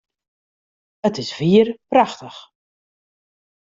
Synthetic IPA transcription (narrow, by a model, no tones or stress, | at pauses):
ətɪsv̥iərpraxtəx